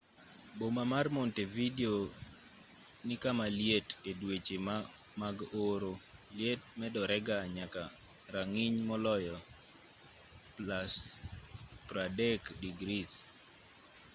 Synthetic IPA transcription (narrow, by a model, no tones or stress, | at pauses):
bomamarmontevideo | nɪkamaljetedwet͡ʃem | maɡoɾoljet̚mɛdɔɾɛɡaɲaka | ɾaŋɪɲmɔlɔjɔ | plas | pɾadɛkdiɡɾis